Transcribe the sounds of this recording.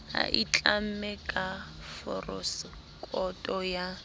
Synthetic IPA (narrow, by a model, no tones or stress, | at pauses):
ha̰ʔit͡ɬʼam̩mɛkʼa | fɔrɔs | kʼɔtʼɔja